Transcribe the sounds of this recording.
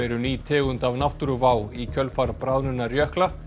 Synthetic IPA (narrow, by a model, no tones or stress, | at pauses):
ɛɾʏniːt̪ʰɛːɣʏnt̪avnawht̪ʏɾʏvaːwicʰœlfaɾpɾaðnʏnːarjœhkla